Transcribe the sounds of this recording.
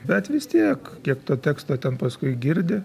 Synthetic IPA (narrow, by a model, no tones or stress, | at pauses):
bʲɛt̪ʋʲɪst̪ʲiɛkkʲiɛkt̪oːt̪ʲæːkst̪oːt̪ʲɛnpɐskʊɪɡʲɪɾʲd̪ʲɪ